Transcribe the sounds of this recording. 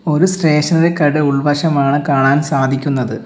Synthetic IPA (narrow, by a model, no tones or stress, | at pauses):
o̞ɾusre̞ːʂɐnilekɐɽɨuɭʋɐʂɐmaːɳɨkaːɳaːnsaːd̪ʱikʲːunːɐðɨ